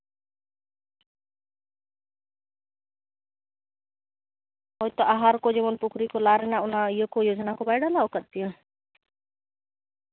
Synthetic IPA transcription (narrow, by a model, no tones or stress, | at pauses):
ɦɔjt̪ɔʔaɦaɾkɔd͡ʒɛmɔnpukʰɾikɔlaɾɛnaunaijɔkɔjod͡ʒnakɔbajɽalaɔkat̪̚t̪iɔ